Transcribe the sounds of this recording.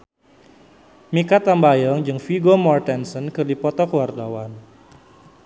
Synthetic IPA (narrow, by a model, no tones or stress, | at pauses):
mikat̪ambajɔŋd͡ʒɨŋfiɡomɔrt̪ɛnsɔnkɨrdipɔt̪ɔkəward̪awan